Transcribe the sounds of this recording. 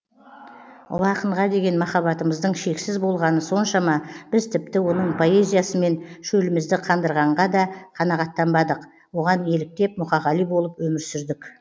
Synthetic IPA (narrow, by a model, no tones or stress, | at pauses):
ʊ̰lˠɑqəɴʁɑd̪e̞ɡʲe̞nmɑχɑβɑt̪əməzd̪əɴʃe̞ksɪzbo̞lˠʁɑnəso̞nʃɑmɑb̥ɪzt̪ʰɪp̚t̪ɪwo̞nəɴpʰo̞e̞zʲijasəme̞nʃɵlɪmɪzd̪ɪqʰɑnd̪əɾʁɑɴʁɑd̪ɑqʰɑnɑʁɑt̪ːɑmbɑd̪əq | wo̞ʁɑne̞lɪk̚t̪e̞p̚mʊχɑʁɑlˠijbo̞lˠəpwɵmɪɾsɪɾd̪ɪk